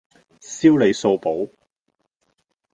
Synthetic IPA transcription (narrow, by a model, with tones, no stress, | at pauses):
siː˥wle˨˧jso˧wpo˨˥w